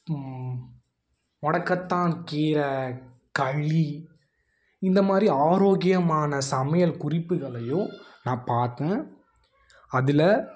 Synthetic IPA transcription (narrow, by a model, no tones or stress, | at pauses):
ɔɳɐkːɐt̪ːaːnkiːɾɐ | kɐɻːi | ɪnd̪ɐmaːd̪ɾiaːɾoːɣɪjɐmaːnɐsɐmɐjɐlkʊrɪpːɯɣɐɭɐjʊ̃nãːpaːɾt̪ẽː | ɐðɪlɐ